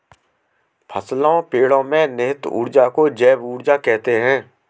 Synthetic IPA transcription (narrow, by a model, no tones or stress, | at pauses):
pʰəslõpeːɽõmẽnɪɦɪt̪ṵːɽd͡ʒakod͡ʒɛːbuːɽd͡ʒakɛɦt̪eɦɛ̃ː